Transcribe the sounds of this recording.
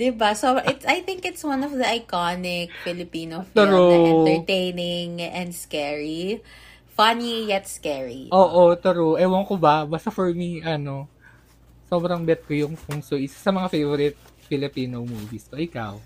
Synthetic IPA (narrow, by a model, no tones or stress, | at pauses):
d̪ɪbasobɾɐ̃ʔɪt̪sajθɪ̃ŋkɪt̪swɐ̃nɔvd̪ɐɐjkanɪk̚fɪlɪpiːnoft̪oɾɛ̃ɛ̃t̪ɛɹt̪ejnɪŋɛ̃nd̪skɛɹi | fɐnijɛt̪skɛɹḭʔoːʔot̪ɐɾoʔɛwɐŋkobabaːst̪ɐfɔɹmiʔɐno̞ | so̞ːbɾɐŋbɛt̪̚kojʊŋpʊŋsoʔɪsasɐmɐŋafejvoɾɪt̪̚ | fɪlɪpiːnomuviskoʔɪka̰w